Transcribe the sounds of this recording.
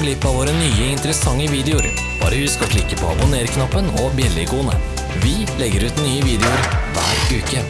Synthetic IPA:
ɡlɪpːɑʋoːɾənyːəɪnt̪əɾəsɑŋːəʋiːd̪ɛʊɾ | b̥ɑ̰ːɾəʋɪːskɑʈlɪkːəpʰo̰ːɑ̰bʊneːɾkʰnɑpːənɔbjɛlːɪɡuːənə̰ | ʋɪ | lɛɡːəɾʉːt̪nyːəʋiːd̪ɛʊɾʋæ̰ːɾʉːkə

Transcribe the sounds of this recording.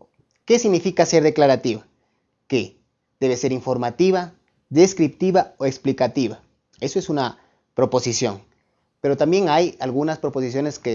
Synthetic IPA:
ke̞siɣnifikase̞ɾðeklaɾat̪iβa | ke | d̪̥e̞βese̞ɾiɱfo̞ɾmat̪iβa | ðe̞skɾip̚t̪iβaoeksplikat̪iβa | e̞soe̞suna | pɾo̞po̞sisjo̞̰ŋ | pe̞ɾo̞t̪ambje̞ŋajalɣunaspɾo̞po̞s̬isjo̞ne̞ske

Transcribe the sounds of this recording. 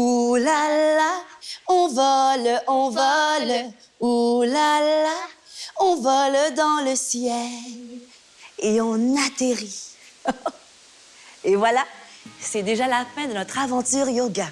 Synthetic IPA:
ulalaɔ̃vɔlɔ̃vɔl | ulalaɔ̃vɔld̪ɑ̃ləsjɛl | eɔ̃nat̪eʁi | evwalasɛd̪eʒalafɛ̃d̪ənɔt̪χavɑ̃t̪yʁjoɡa

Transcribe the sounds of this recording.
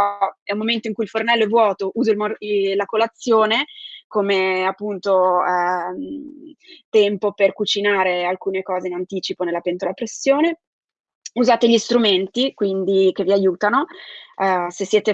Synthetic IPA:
ɛumːoment̪oiŋkuilfornɛlːoɛvːwɔːt̪oʔuːzoilmlakolat̪sːjoːnekomeapːunt̪o | t̪ɛmpoperkut͡ʃinaːɾealkuːnekɔːzeinant̪iːt͡ʃiponelːapent̪olapɾesːjoːne | uzaːt̪eʎist̪ɾument̪ikwind̪ik̟evːiajuːt̪ano | sesːjɛːt̪e

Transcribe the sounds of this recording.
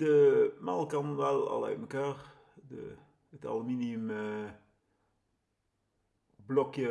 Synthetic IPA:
dəmɑlˠkɑnʋɛlˠɑ̰lˠœ̰ɥtməkaːr | də̰ | ətɑ̰lˠəminiəmə | blɔkjə

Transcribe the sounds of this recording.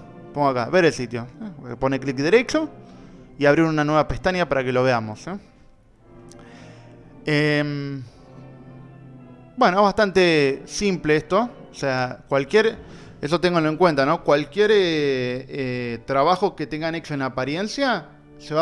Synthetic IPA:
poŋɡoaka̰βe̞ɾelsit̪jo̞̰po̞neklik̚d̪eɾe̞t͡ʃo | iaβ̞ɾiɾunanwe̞βapeht̪anjapaɾake̞lo̞β̞e̞amo̞s | em | bwe̞noβahst̪ant̪e̞simpleest̪o̞oseakwalkje̞ɾ | es̬o̞t̪e̞ŋɡoloeŋkwe̞nt̪ano̞kwalkje̞ɾe | et̪ɾaβ̞axo̞ket̪e̞ŋɡane̞t͡ʃoenapaɾje̞nsja | seβa

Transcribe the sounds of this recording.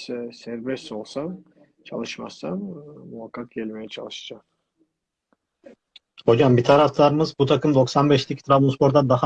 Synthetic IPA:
sæɾbɛso̞lˠsant͡ʃʰa̰lˠɯʃma̰sanmuɦakʰːak̚ɟɛlʲmejɛt͡ʃʰa̰lˠɯʃɯ̥d͡ʒam | ho̞d͡ʒambit̪ʰaɾaft̪ʰaɾɯmɯzbut̪ʰakʰɯmd̪o̞ksanbɛʃlʲicʰʲt̪ɾavonspʰo̞ɾd̪ad̪aɦa

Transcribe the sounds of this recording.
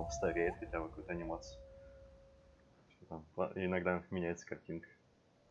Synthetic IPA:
st̪ɐɾʲejɪt̪xɐtʲakɐkujt̪əɐnʲɪmat̪sɨʊ | fsʲot̪ama̰ɪnɐɡd̪amʲɪnʲæɪt̪sə̥kɐrtʲinkə̥

